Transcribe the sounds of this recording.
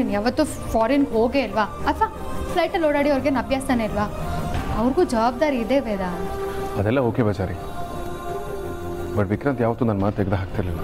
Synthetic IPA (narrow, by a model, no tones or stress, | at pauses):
njaːʋɐt̪ːu | faːɾinɡɦoːɡeilʋaːɐt̪ʋa | plɐjʈɐloɽaːɽiɐʋɐɾɡenɐbjaːst̪aneilʋaːɐʋɾɡuːd͡ʒɐʋaːb̚d̪aːɾiːd̪eːʋeːd̪aːɐd̪ɛlːɐoːkebʱɐd͡ʒaːɾi | bɐʈʋikɾɐnt̪jaːʋɐt̪ːuːnanmaːt̪̚ːeɡd̪eɦaːk̚t̪iɾɐlilːa